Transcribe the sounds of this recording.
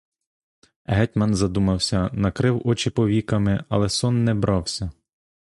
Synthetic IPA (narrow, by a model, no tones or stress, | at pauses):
ɦɛtʲmɐnzɐd̪umɐwsʲɐnɐkɾɪwɔt͡ʃɪpɔʋʲikɐmɪɐ̰lˠɛsɔnːɛbɾɑwsʲɐ